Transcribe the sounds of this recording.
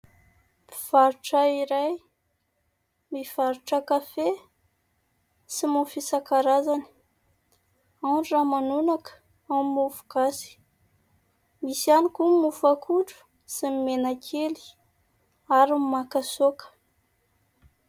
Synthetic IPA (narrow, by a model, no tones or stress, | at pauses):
piv̥aɾuʈ͡ʂaiɾaj | miv̥aɾuʈ͡ʂəkafe | simufisakaɾazani̥ | aɖ͡ʐramanunakə̥ | ammufu̥kasi̥ | misianikumufakʰuɖ͡ʐu̥ | simmenakʰeli̥ | aɾimmakasokə̥